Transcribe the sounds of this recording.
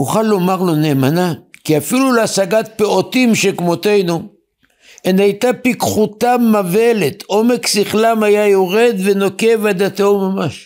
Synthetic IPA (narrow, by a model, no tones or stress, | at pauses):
huχalːo̞maʁlo̞ne̞ːmanakiafiluleasaɡat̪̚peo̞t̪imʃekmot̪e̞jnu | enajt̪apikχut̪amave̞let̪ʔo̞meksiχlamajajo̞ʁe̞d̪ve̞no̞ke̞vad̪at̪ewmamaʃ